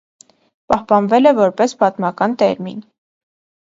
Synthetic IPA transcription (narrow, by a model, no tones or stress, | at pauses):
pɑhpɑnvɛlɛvɔɾpɛspɑt̪mɑkɑnt̪ɛɾmin